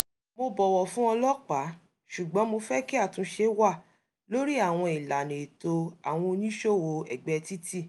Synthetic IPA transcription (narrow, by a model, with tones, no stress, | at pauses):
mo˧bɔ˨wɔ˨fũ˦ɔ˧lɔ˦k͡pa˨˦ | ʃu˨ɡ͡bɔ̃˨˦mo˧fɛ˦ki˦a˦˨tũ˨˧˦ʃe˧˦wa˦˨ | lo˦ɾi˦a˦˨w̃ɔ̃˧i˨la˨nĩ˨i˨to˧a˨w̃ɔ̃˧o˧nĩ˦ʃo˦˨wo˨˧ɛ̰˨ɡ͡bɛ˧ti˦ti˦˨